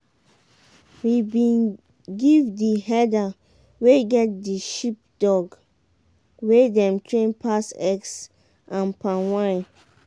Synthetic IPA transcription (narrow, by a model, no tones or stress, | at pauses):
wibĩn | ɡivdiɦɛda | weɡɛt̚diʃip̚d̥ɔɡ | wedɛ̃mtʰɹẽnpʰasɛks | ʔãnpãnwãn